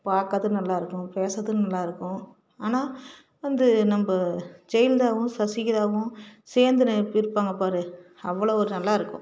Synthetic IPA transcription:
paːɾkːɐðɯnɐlːaːɪɾɯkːʊ̃peːsɐðːɯnɐlːaːɪɾɯkːʊ̃ | aːnaː | ʋɐnd̪ɯnɐmbɐd͡ʒɛjɪld̪aːʋʊ̃sɐsɪjɪðaːʋʊ̃seːɾnd̪ɯnɯɪɾɯpːaːŋɡɐpaːɾɯ | ɐʋːɐɭoːɔɾɯnɐlːaːɪɾɯkːʊ̰̃

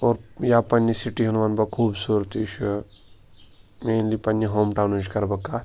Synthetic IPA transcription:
oːɾjaːpɐnːisiʈiɦɐnʋɐnbɐkʰuːbsuːɾt̪it͡ʃʰu | meːnlipɐnːiɦoːmʈaːwnut͡ʃkɐɾbɐkːa

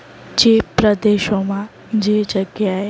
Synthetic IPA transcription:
d͡ʒeːpɾəd̪eːʃomã | d͡ʒed͡ʒəɡjaɦe

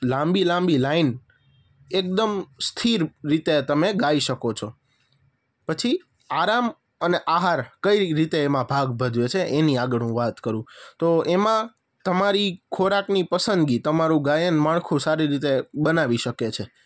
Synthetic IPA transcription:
lãmbilãmbilain | ek̚d̪əmst̪ʰiɾɾit̪et̪əmeɡaiʃəkot͡ʃʰo | pət͡ʃʰi | aɾam | əneʔaɦaɾkəiɾit̪eːmãbʱaɡbʱəd̪ʱʋet͡ʃʰeʔeniaɡəɽũʋat̪kəɾũt̪oemã | t̪əmaɾikʰoɾaknipəsənd̪ɡit̪əmaɾũɡajənmaɭkʰũsaɾiɾit̪eɓənaʋiʃəket͡ʃʰe

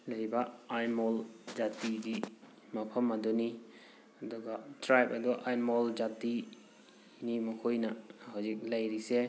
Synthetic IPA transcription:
lajbaajmɔld͡ʒatiɡi | mapʰɐmːadɔni | adɔɡatɾajpɐdɔʔajmɔld͡ʒati | nimɔkʰojnahɔzik̚lajɾise

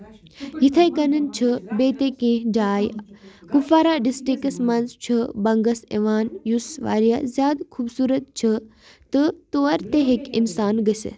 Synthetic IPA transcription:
jit̪ʰɐjkɐnɐnt͡ʃʰibeːt̪ekẽːɦd͡ʒaːjkufaːɾaɖisʈɾikəsmɐnzt͡ʃʰɨbɐŋɡɐsḛʋaːnjusʋa̰ːɾijazjaːd̪kʰuːbsuːɾət̪̚t͡ʃʰi | t̪ɨt̪oːɐɾt̪eɦekinsaːnɡəsḛ

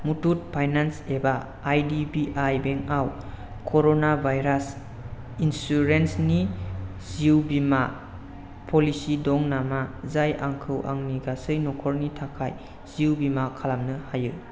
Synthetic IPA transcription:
mutʰut̚pʰajnansebaː | jdibiʔajbeŋaw | kʰoɾonabʱajɾas | insuɾensni | z̥iwbima | pʰɔlisidɔŋnamazajʔaŋkʰɯwʔa̰ŋniɡasɯjnɔkʰɔɾnitʰakʰaj | z̥iwbimakʰalamnɯhajɯ

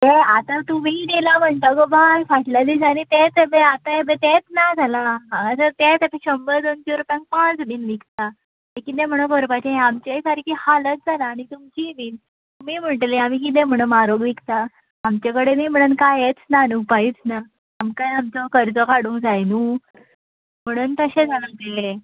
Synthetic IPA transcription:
eat̪at̪um̤id̪elam̤əɳt̪akobajfaʈlad̪is̬aɽ̃it̪et͡səbeat̪aebet̪et͡snad͡zʱalaɦasət̪et͡səpeɕəmbəd̪ont͡ɕeɾupjãŋk̚pãt͡sbiːnʋikt̪a | t̪ekit̪̬ẽm̤əɽ̃əkəɾpat͡ɕeeamt͡ɕesaɾikihalət̪̚d͡zʱalaːɽ̃it̪umt͡ɕiʋiːn | miːm̤əɳʈleamiːk̬it̪̬ẽm̤əɽ̃əmaɾoɡʋikt̪aː | mt͡ɕakəɽemiːm̤əɽ̃uːnkajet͡snanupait͡snaː | mkajamt͡sɔkəɾt͡sɔkaɽũːd͡zajnu | m̤əɽ̃uːnt̪əɕed͡zʱalət̪ee

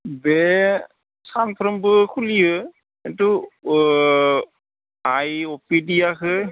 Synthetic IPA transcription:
bɛ | sanpʰɾɔmbɯkʰulijɯ | kintu | ajɔpidijakʰɯ

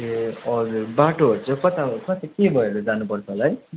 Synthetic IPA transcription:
eʌd͡zurbaʈoɦoɾt͡sʰʌkʌt̪akʌt̪akebʱʌelod͡zanupʌrt͡sʰʌɦolaɦʌj

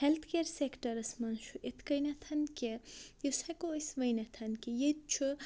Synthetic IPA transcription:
helt̪ʰkeɾsekʈɐɾɐsmɐnʃuʔet̪ʰkɐjnɐt̪ʰɐnkejosɐkoːjsʋɐjnɐt̪ʰɐnkijet̪̚t͡ʃʰu

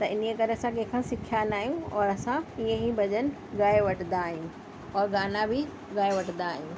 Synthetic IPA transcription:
t̪ɐʔɪniekɐɾesãkẽːkʰãsɪkʰjanaːɦijũɔːɾɐsãiẽɦibʱɐʄənɪ̆ | ɡaːeʋɐʈnd̪aːɦijũ | ɔːɾɡaːnabʱɪ | ɡaːeʋɐʈnd̪aːɦijũ

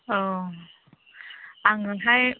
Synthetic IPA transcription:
ʔəː | ʔaŋɯnɦaj

